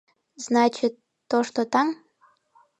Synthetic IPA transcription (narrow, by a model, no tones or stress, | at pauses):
znɑt͡ɕit̪ːoʃt̪ot̪ɑŋ